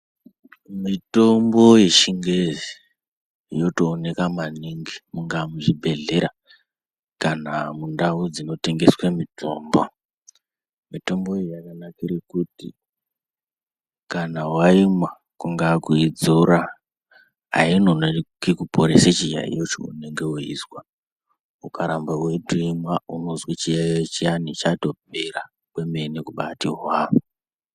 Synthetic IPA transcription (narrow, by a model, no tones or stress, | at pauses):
mito̞mbo̞je̞ʃiŋɡezi | jo̞toːne̞kamaniŋɡimuŋɡamuʐibʱe̞ɮe̞ɾa | kanamundaud͡zino̞te̞ŋɡe̞swemitʰo̞̰ːmbo | mito̞mbo̞ejakanakiɾekutḭ | kanawaimwa | kuŋɡakuid͡zoɾa | a̰inonokikupʰoɾḛset͡ʃiʒa̰ḭjot͡ʃo̰ṵne̞ŋɡe̞uḭswa | ukʰaɾambawe̞dʱuimwauno̞zwet͡ʃijaet͡ʃijanit͡ʃato̞b̚era | kwe̞menikuɓatiɦwaːʋo